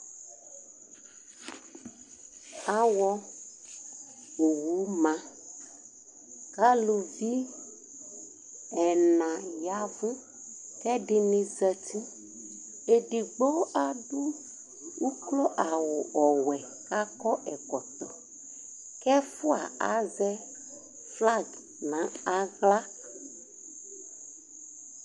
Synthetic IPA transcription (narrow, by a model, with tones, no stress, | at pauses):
a˦wɔ˦ | wu˨wu˦mã˦ | ka˦lu˨vi˦ | ɛ˨nã˨ja˦vu˦ | kɛ˦ɖi˨mĩ˨˦zɛ˦t̪i˦ | e˨ɖi˨ɡ͡bo˦a˦ɖu˦ | wu˦klo˦ʔa˨wo˨ɔ˨wɛ˨ | ka˦kɔ˦ʔɛ˨kɔ˨t̪ɔ˨ | kɛ˦fo˦a̰˨a˨zɛ˦ | fla˦ɡ | nã˨a˨ɣla˦